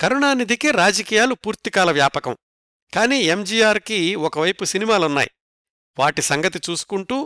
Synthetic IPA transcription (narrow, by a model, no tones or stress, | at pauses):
kɐɾuɳaːnid̪ikiɾaːd͡ʒɐkiːjaːlupuːɾt̪ikaːlɐʋjaːpɐkɐ̰m | kaːniːe̞md͡ʒiːjaːɾkiɔkɐʋɐjpusinimaːlunːa̰ːjḭ | ʋaːʈisɐŋɡɐt̪it͡ʃuːsu̥kuɳʈuː